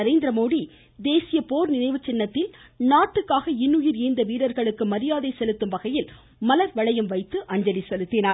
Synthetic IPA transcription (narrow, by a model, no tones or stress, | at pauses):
ɐɾeːnd̪ɪɾɐmoːɽi | d̪eːsɪjɐpoːɾnɪnɐɪʋɯt͡ʃːɪnːɐt̪ːɪlnaːʈːɯkːaːɣɐɪnːʊjɪɾɛɪnd̪ɐʋiːɽɐɾɣɐɭɯkːɯmɐɾɪjaːðeɪsɛlɯt̪ːɯmʋɐɣɐjɪl | mɐlɐɾʋɐɭɐjɯmʋɐɪt̪ːɯʔɐɲd͡ʒɐlisɛlɯt̪ːɪnaːɾ